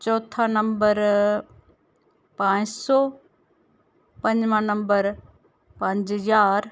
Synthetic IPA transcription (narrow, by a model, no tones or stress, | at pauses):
t͡ɕɔːt̪ʰanəmbəɾ | pãːɲsɔː | pɐ̃ɲd͡ʑmãːnɐ̃mbəɾ | pãɲd͡ʑɦəzaːɾ